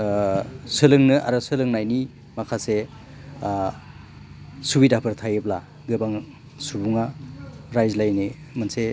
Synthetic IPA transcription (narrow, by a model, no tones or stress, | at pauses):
sɯlɯŋnɯʔa̰ɾɯsɯlɯŋnajni | makʰase | subidapʰɯɾt̪ʰajɯbla | ɡɯbaŋ | subuŋaɾajzlajne | manse